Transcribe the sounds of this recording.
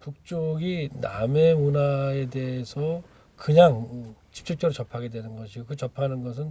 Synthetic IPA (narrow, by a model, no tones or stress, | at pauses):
puk̚t͡ɕ͈oɡiname̞munae̞de̞esʰʌ | kɯɲaŋt͡ɕʰi̥p̚t͡ɕ͈ʰuk̚t͡ɕ͈ʌɾɯt͡ɕʌpʰaɡe̞dwenɯnɡʌɕʰiɡokɯt͡ɕʌpʰanɯnɡʌs̬ʰɯn